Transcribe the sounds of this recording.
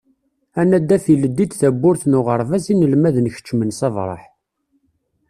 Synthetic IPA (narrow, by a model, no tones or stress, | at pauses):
ænæd̪ːæfiləd̪ːid̪θæbːʊɾθnʊʁəɾˤvæzinəlmæðənçə̥t͡ʃːmənsɑvɾˤɑ̰ħ